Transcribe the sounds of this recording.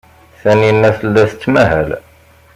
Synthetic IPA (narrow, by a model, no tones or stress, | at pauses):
θæninːæθəlːæθət͡sːmæhæl